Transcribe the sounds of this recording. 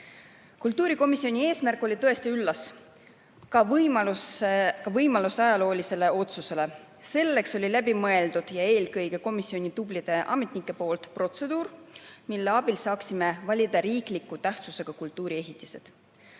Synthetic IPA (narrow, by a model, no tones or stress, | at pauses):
kult̪ːˑuːɾiko̞misːio̞nʲie̞ːsmærkˑo̞lʲit̪ɤ̞e̞st̪iylːɑs | kɑvɑluskɑvɤjmɑlusɑjɑlo̞ːlʲise̞le̞o̞t̪suse̞le̞ | se̞lːe̞kso̞lʲilæbimɤe̞ld̪ud̪̥jɑe̞ːlkɤjɡe̞ko̞misːio̞nʲid̪ub̥lid̪̥e̞ʔɑ̰me̞t̪ˑnikːˑe̞po̞ːlt̪pro̞t̪se̞d̪̥uːrmilːeɑb̥ilsɑːksime̞vɑlʲid̪ɑɾiːklikːˑut̪æht̪suse̞ɡ̥ɑkult̪ːˑuːɾie̞ɦit̪ːˑise̞̰d̪̥